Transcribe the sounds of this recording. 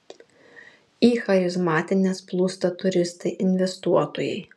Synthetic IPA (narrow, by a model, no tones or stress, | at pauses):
iːxɐjʊsmɑːt̪ʲɪnʲesplˠuːst̪ɐt̪ʊɾʲɪst̪ɐɪʔɪnʲʋʲɛst̪uɔt̪oːjɛ̰ɪ